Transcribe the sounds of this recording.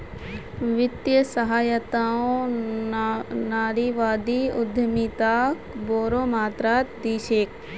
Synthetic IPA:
ʋɪt̪jəsɐɦaːjət̪aːõ | naːɾiʋaːd̪iʊd̪ʱəmit̪aːkboːɾõːmaːt̪ɾaːt̪d̪iːʃeːk

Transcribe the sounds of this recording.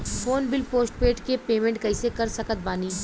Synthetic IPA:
foːnbɪlpoːsʈ̚peːʈkepeːmẽɳʈ̚kɐɪsekɐɾsɐkət̪̚baːniː

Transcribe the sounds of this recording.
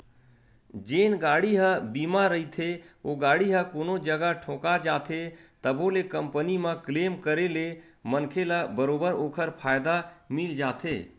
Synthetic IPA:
d͡ʒeːnɡaːɽiɦə̃bimaɾəɦit̪ʰeoɡaːɽiɦəkoːnod͡ʒəɡəʈʰõːkad͡ʒaːt̪ʰet̪əbʱolekəmpənimə̃kleːmkəɾelemənkʰeləbəɾoːbəɾoːkʰəɾpʰaːjd̪amild͡ʒaːt̪ʰḛː

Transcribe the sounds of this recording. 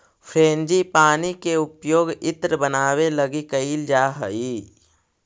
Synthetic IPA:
fʰeːnd͡ʒipaːnikeʊpjoːɡɪt̪ɾəbənaːweləɡikəild͡ʒaːɦəi

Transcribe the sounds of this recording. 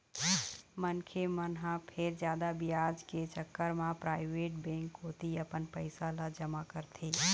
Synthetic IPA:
mənkʰemənɦãpʰɪɾd͡ʒjaːd̪abɪjaːd͡ʒket͡ʃəkːəɾmãpɾaːɪʋeːʈ̚bɛ̃ːŋkɦoːt̪iɐpənpəɪsalad͡ʒɐmakəɾt̪ʰiː

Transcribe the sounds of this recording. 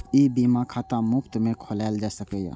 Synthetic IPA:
ibimakʰat̪amʊkt̪mẽkʰolald͡ʒasəkɛja̰

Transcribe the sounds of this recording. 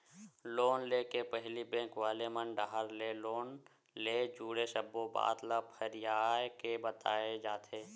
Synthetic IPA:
loːnleːkepəɦlibẽːkʋaːlemənɖaːɦəɾleloːn | leːd͡ʒuːɽeʃəbːoba̰ːt̪ləbhəɾɪjaːjkebət̪aːed͡ʒaːt̪ʰeː

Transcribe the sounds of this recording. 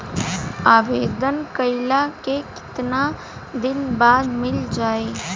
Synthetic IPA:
aːʋeːd̪ənkəɪlakekɪ̥t̪na | d̪ɪnbaːd̪mɪld͡ʒaːeː

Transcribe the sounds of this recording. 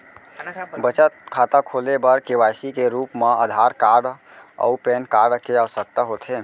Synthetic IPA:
bət͡ʃət̪̚kʰat̪akʰolebəɾkewajsikeɾupmaəd̪ʱaɾkaɾɖ | ə̰upenkaɾɖkeəwəsək̚t̪aɦot̪ʰe

